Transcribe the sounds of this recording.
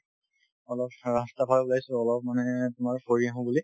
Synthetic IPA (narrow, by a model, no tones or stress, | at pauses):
ɔlɔp̚ɹastapʰalabulajsʊɔlɔp̚manɛtʊmaɹkoɹiaɦɔ̃buli